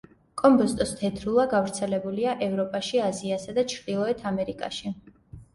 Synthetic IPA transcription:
kʼɔmbɔst̪ʼɔst̪ʰɛt̪ʰɾulˠaɡavɾt̪sʰɛlɛbuliaʔɛvɾɔpʼaʃiaziasad̪at͡ʃʰɾd̪ilˠɔɛt̪ʰamɛɾikʼa̰ʃi

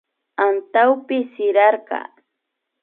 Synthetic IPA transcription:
ant̪awpɪsɪɾɑɾɢɑ̰

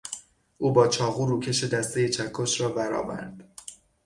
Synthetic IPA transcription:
ʔuːbɒːt͡ʃʰɒːɣuːɾuːcʰe̞ʃed̪æst̪ejet͡ʃʰækʰːoʃɾɒːbæɾɒ̰ːvæ̰ɾd̪̥

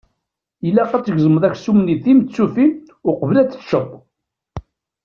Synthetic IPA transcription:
ilːæqæt͡sːəʝzəməðˤæçsumniθimt̪t͡sːufim | ʊqəvlæt͡sːə̥tːʃət̪ˤː

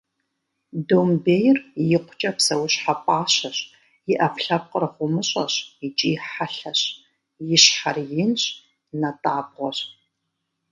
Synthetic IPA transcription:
dombejɪrjɪqʷʊt͡ʃʼɐpsɐwʊɕħapʼaːɕɐɕ | jɪʔɐfɬɐp̚qərɨχʷʊmɨɕʼɐ̰ɕit͡ʃʼiːħaɬɐɕ | jɪɕħarjɪnɕʼ | nɐtʼaːbʁʷɔɕ

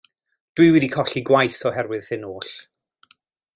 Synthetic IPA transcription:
d̥wɨwɛdikʰɔɬiɡwajθɔhɛrwɨð̥hɪnoːɬ

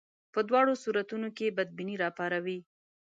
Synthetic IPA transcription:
pəd̪wɑɽosuɾat̪unokebad̪̚biniɾɑpɑɾawi

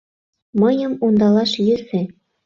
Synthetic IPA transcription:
mɤ̆jɤ̆mund̪ɑlˠɑʃjɘ̆zĕ

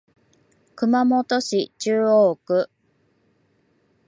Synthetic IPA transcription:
kɯ̟mamot̪o̞ɕit͡ɕɨːoːkɯ̟

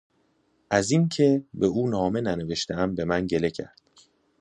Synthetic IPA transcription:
ʔæzincʰe̞be̞uːnɒːmenæneve̞ʃt̪ʰeæmbe̞mænɟe̞le̞cʰæ̰ɾd̪̥

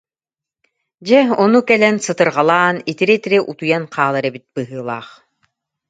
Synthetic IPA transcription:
d͡ʑɛɔnukɛlɛnsɯt̪ɯɾʁalˠaːnit̪iɾɛt̪iɾiʔut̪ujanqʰaːlˠaɾɛbit̪̚bɯɦɯːlˠa̰ːχ

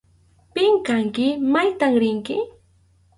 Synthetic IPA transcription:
pɪŋkaŋkɪmajt̪aŋɾɪŋkɪ

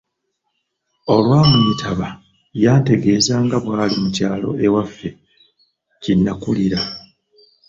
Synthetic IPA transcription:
o̞lwaːmuɲitʰaβa | jaːnte̞ɡe̞ːzaːŋɡaβwaːlimucaːlo̞̰ʔe̞wafːe̞ | cinːakuliɾa

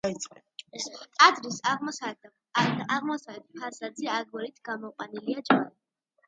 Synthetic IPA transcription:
ait̪sʼɛ | t̪ʼad̪ɾisaʁmɔsad̪ | aʁmɔsaɛd̪ipʰaɾsad̪ziaɡwɔɾit̪ʰɡ̥amɔqʼwaniliad͡ʒani

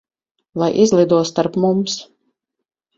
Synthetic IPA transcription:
lˠajʔizlˠid̪uɔst̪aɾpmums

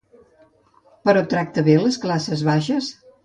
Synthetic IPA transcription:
pəɾɔt̪ɾak̚t̪əβeləsklasəzβaʃəs

